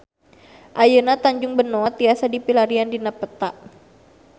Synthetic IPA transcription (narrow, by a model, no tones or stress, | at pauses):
ʔajənat̪aɲd͡ʒʊŋbənoat̪iasadipilaɾiandinapət̪aʔ